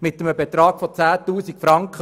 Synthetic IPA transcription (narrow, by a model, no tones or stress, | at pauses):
mɪt̪ːəməbet̪ɾɑːɡ̥fɔt͡sæːtuːsikfɾɑŋkχə